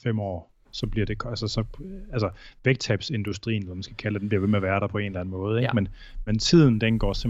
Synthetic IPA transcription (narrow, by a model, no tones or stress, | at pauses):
fem̰ɒ̰ː | sɒ̽b̥liɐɾ̥e̝kʰælsəsɒ̽æls̬əʋeɡ̥̚t͡sʰæb̥se̝nd̥usd̥ʁḭːnelɐmænsɡ̥ækʰælded̥enmbliɐʋe̝meæʋæɐɾɑ̈pʰɒ̽e̝ːnlænəmɔ̽ːð̞̩ˠeɡ̥men | ment͡sʰið̞̰ˠn̩d̥enɡ̥ɒ̰ːsem